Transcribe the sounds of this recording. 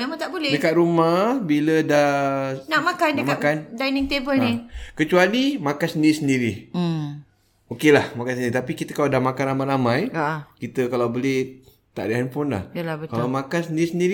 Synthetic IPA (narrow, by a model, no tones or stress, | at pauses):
memãŋt̪aʔbolɛdəkat̪̚ɾumahbilədahnamakanəkmakkandajnɪŋt̪ebəlnikət͡ʃualimãkansəndiɾisəndiɾi | okelahmakansəndiɾit̪apikit̪əkaladahmakanɾamalamãjakit̪əkalawbolɛh | t̪a̰ʔdəɦanpʊnla̰hjəlabətkallawmãkansəndiisəndiɾi